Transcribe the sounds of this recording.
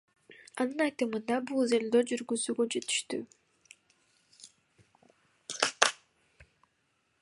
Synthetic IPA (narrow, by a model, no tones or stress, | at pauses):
ɑnɯnɑjt̪ɯmɯnd̪ɑbulˠzelʲd̪ød͡ʒyɾɡyzyɡød͡ʒe̞t̪i̥ʃt̪y̰